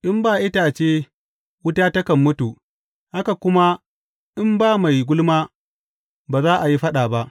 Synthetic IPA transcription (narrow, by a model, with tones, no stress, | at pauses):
ʔɪ˦mbaː˨ʔɪ˦taː˨t͡ʃeː˦ | wʊ˦taː˦tɐ˦kɐ˨mːʊ˦tuː˨ | ha˦ka˨kʷʊ˦ma˦ | ʔɪ˦mbaː˦ma˨jɡʷʊ˦lmaː˦ | baː˨zaː˦ʔa˨ji˦ɸɐ˦ɗaː˨ba˦ʔ